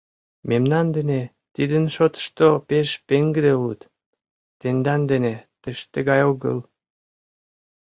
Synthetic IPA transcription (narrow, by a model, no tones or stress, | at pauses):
memnɑnd̪ene | t̪id̪ənʃot̪ə̥ʃt̪opeʃpeŋɡəd̪eut̪ | t̪end̪ɑnd̪enet̪eʃt̪əɣɑjoɣə̰l